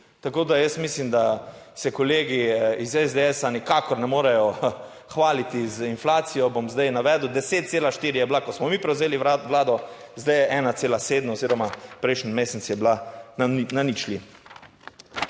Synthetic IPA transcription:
t̪akoːd̪ajəsmislimd̪asɛkɔleːɡiizɛzd̪eɛːsanikakɔɾnɛmoːɾɛjɔ | xʋaːlit̪izinflaːt̪sijɔbomzd̪ajnaʋɛːd̪ʊd̪ɛseːt̪̚t̪seːlaʃt̪iːɾijɛblakɔsmɔmiːpɾɛwzeːliʋlaːd̪ɔzd̪ajɛʔɛːnat̪seːlaseːd̪noziːɾɔmapɾɛjʃnmeːsɛt̪sjɛblannanit͡ʃli

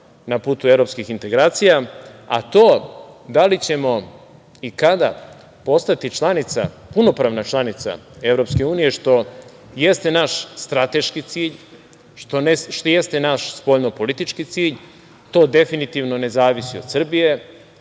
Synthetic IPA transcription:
napuːt̪uevɾo̞pskixint̪e̞ɡɾaːt̪sijaa̰t̪o̞ːd̪alit͡ɕe̞mo̞ | ikad̪a | po̞st̪at̪it͡ʃlˠanit̪sa̰ | puno̞pɾaːʋnat͡ʃlˠanit̪sa̰e̞vɾo̞pske̞uːnije̞ʂt̪o̞ | je̞st̪e̞naʃst̪ɾat̪e̞ʃkit̪siːʎ | ʃt̪o̞neʃt̪o̞je̞st̪enaʃspoʎnopo̞lit̪it͡ʃkit̪siːʎ | t̪o̞ːd̪e̞finit̪iʋno̞ne̞zaːʋisiod̪sr̩bije̞

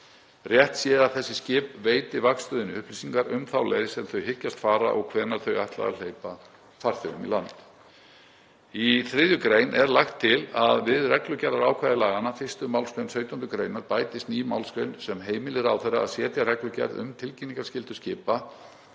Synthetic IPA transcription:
rjɛht̪sjɛːðaθɛsːɪscɪːpveːjt̪ɪvakst̪ʏðɪnːɪʏhplisiŋkaɾʏmθawlɛðɪsɛmθœɥhɪcːast̪faːɾa̰ʔɔɣkʰvɛːɾnaɾ̥θœɥajht̪la̰ða̰l̥ejpa | far̥θœɣʏmḭlant̪ | iθɾɪðjʏkɾeːjnʔɛɾlaxt̪ʰːɪlaðvɪðrɛklʏcɛɾðaɾaːwkʰvajðɪlaːɣanafɪr̥st̪ʏmaːwlsk̪œjnsœːɥt̪ant̪ʏkɾejnaɾpaːjt̪ɪst̪niːjma̰wlskɾeɥnsɛmɦeːjmɪlɪɾawθɛrːaa̰ðsjɛːt̪jarɛklʏcɛ̰ɾðʏ̰mt̪ʰɪlciniŋkḁscɪlt̪ʏ̥scɪːpa

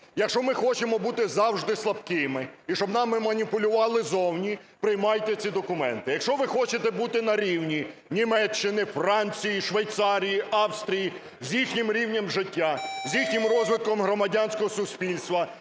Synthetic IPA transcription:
jɐkʃɔmɪxɔt͡ʃemɔbut̪ɪzɑwʒd̪ɪslˠɐbkɪmɪiʃt͡ʃɔbnɑmːɪmɐnʲipʊlʲʊʋɑlˠɪzɔwnʲi | pɾɪjmɑjt̪ɛt͡sʲid̪ɔkʊmɛnt̪ɪjɐkʃɔʋɪxɔt͡ʃet̪ɛbut̪ɪnɐɾʲiwnʲi | nʲimɛt͡ʃːɪnɪfɾɑnʲt͡sʲijiʃʋɐjt̪sɑɾʲijiʔɑwst̪ɾʲiji | zʲjixnʲɪmɾʲiwnʲɐmʒɪtʲːazʲjixnʲɪmrɔzʋɪt̪̚kɔmɦɾɔmɐdʲanʲsʲkɔɦɔsʊsʲpʲilʲst̪ʋɐ

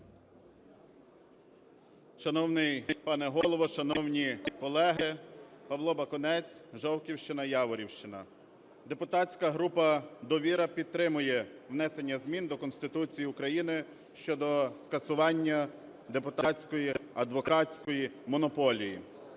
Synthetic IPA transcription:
ʃɐnɔwnɪjpɑnɛɦɔlˠɔʋɔʃɐnɔwnʲikɔlˠɛɦɪpɐʋlˠɔbɐkɔnɛt͡sʲʒɔwkʲiwʃt͡ʃɪnɐjɑʋɔɾʲiwʃt͡ʃɪnɐ | d̪e̞pʊt̪ɑt͡sʲkɐɦɾupɐd̪ɔʋʲiɾɐpʲid̪̚t̪ɾɪmʊjɛwnɛse̞nʲːɐzmʲind̪ɔkɔnsʲt̪ɪt̪ut͡sʲijiʊkɾɐjinɪ | ʃt͡ʃɔd̪ɔskɐsʊʋɑnʲːɐ | d̪epʊt̪ɑɑt͡sʲkɔjiɐd̪ʋɔkɑt͡sʲkɔjimɔnɔpɔlʲijḭ

